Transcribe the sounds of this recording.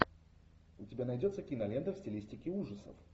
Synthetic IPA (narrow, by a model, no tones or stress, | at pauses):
ʊtʲɪbʲanɐjdʲot̪səkʲinɐlʲent̪əfsʲtʲɪlʲisʲtʲɪkʲɪuʐəsə̰f